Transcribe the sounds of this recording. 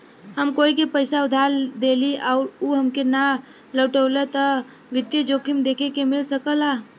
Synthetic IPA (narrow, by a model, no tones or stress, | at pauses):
ɦəmkoikepəɪsaʊd̪ʱald̪eliaʊɾuɦəmkena | ləːʈəːlət̪ə | ʋɪd̪jəd͡ʒoːkʰimd̪ekʰekemɪlsəkəla